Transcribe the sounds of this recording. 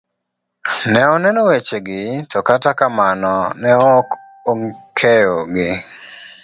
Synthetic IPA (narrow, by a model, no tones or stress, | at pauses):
nɛɔnɛnɔwet͡ʃeɡɪtʰɔkatakamanɔnɛɔk | oŋkʰejoɡɪ